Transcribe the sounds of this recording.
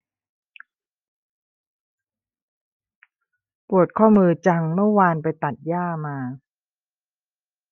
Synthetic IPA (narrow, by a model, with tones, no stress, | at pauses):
pu˨˩ət̪̚kʰɔː˥˩mɯː˧t͡ɕa˧ŋmɯ˥˩əwaː˧npa˧jt̪a˨˩t̪̚jaː˥˩maː˧